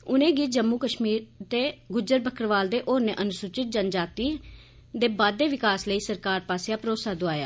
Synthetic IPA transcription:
ʊnẽːɡiːt̪̚d͡ʒəmːuːkəʃmiːɾt̪eːɡʊd͡ʒəɾbʱəkʰɾʋaːld̪eːʔoːɾnẽːʔənʊsʊt͡ʃɪt̪̚d͡ʒənd͡ʒaːt̪iː | d̪eːbaːd̪eːʋɪkaːsləiːsəɾkaːɾpaːseaːpɾoːsaːd̪oaːja̰ː

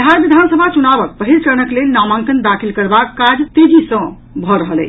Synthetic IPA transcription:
d̪ʱaɾbid̪ʱansəbʱat͡ʃunabək̚pəɦilt͡ʃənəklelnamãŋkənd̪akʰilkəɾbakːad͡ʒt̪ed͡ʒisə̃ | bʱɔɾəɦəlɛ̰j

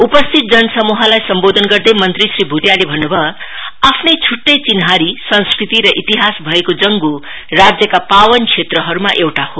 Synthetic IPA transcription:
upʌst̪ʰit̪̚d͡zʌnʌsʌmuɦʌlajsʌmbod̪ʱʌnɡʌrd̪emʌnt̪risribʱut̪jalebʱʌnːubʱʌapʰnʌjt͡sʰuʈːʌjt͡sinɦaɾisʌ̃ñskɾit̪iɾʌʔit̪iɦasbʱʌekod͡zʌŋɡu | rad͡zjʌkapawʌnkʰet̪rʌɦʌɾumaʔewʈaho

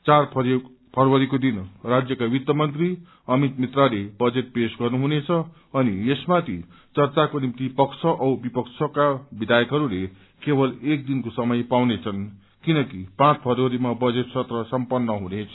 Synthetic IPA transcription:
t͡sarpʰ | pʰʌɾwʌɾikod̪inrad͡zjʌkawit̪jʌmʌnt̪ri | ʌmit̪mit̪ralebʌd͡zet̪̚pesɡʌrnuɦunet͡sʰʌ | ʌniesmat̪ʰḭ | t͡sʌrt͡sakonimt̪ipʌkt͡sʰʌʔʌwbipʌkt͡sʰʌkabid̪ʱajʌkɦʌɾule | kebʌlek̚d̪inkosʌmʌjpawnet͡sʰʌn | kinʌkipãt͡spʰʌɾoɾimabʌd͡zet̪sʌt̪rʌsʌmpʌnːʌɦunet͡sʰʌ̥

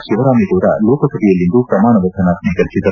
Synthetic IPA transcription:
ʃiʋɐɾaːmikoːɾa̰loːkɐsɐbijɐlːind̪upɾɐmaːɳɐʋɐtʰɐnaːt̪̚niːkɐlt͡ʃit̪ɐ

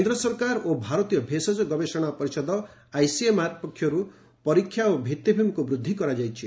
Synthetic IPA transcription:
kend̪ɾɔsɔɾkaɾobʱaɾɔt̪ijɔbʱesɔd͡ʒɔɡɔbesɔɽ̃apɔɾisɔd̪ɔ | ajsiematpɔkʰːjɔɾu | pɔɾikʰːjaobʱit̪ːibʱimkubɾud̪ʱːikɔɾad͡ʒajt͡ʃʰi

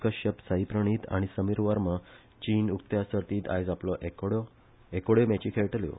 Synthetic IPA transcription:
kəɕəpsaipɾəɳ̃iːt̪a̰ɽ̃isəmiɾʋəɾmə | t͡ɕiːnukt̪jasəɾt̪iːt̪a̰jd͡zaplɔʔekɽ | ekoɽemat͡ɕikʰeɭʈljo̰

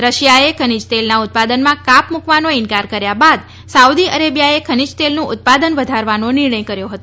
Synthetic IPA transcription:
ɾəʃijaekʰənid͡ʒt̪elnaʊt̪̚pad̪ənmãkapmukʋanoɪnkaɾkəɾjabad̪ | saud̪iəɾebjaekʰənid͡ʒt̪elnũʔʊt̪̚pad̪ənʋəd̪ʱaɾʋanonɪɾɳ̃əjkəɾjoɦət̪o

